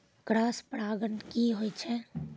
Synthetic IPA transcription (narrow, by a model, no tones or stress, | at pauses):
kɽaːspɽaːɡənkiɦoːit͡ʃʰɛ